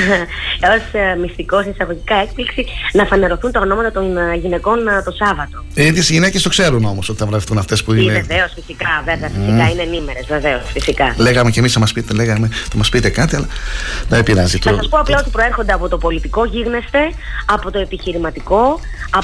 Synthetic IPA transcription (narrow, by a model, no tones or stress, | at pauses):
o̞smist̪iko̞sisɐɣo̞ʝikɐe̞kpliksinɐfɐne̞ɾo̞θunt̪ɐo̞no̞mɐt̪ɐt̪o̞nʝine̞ko̞nt̪o̞sɐvɐt̪o̞iðesʝinecest̪o̞kse̞ɾuno̞mosot̪iθɐvlɐifθunɐft̪e̞spuineeveosfisikɐveveɐfisikɐineːnime̞ɾezve̞ve̞o̞sfisikɐleɣɐmecemisɐmɐspit̪eleɣɐmet̪ɐmɐspit̪ekɐt̪iɐlɐnɐepiɾɐzit̪oɐsɐspoɐplɐo̞t̪ipɾo̞e̞ɾxo̞nd̪eɐpo̞t̪opo̞lit̪iko̞ʝiɣne̞st̪e̞ | ɐpo̞t̪o̞e̞piçiɾimɐt̪iko̞ | ɐ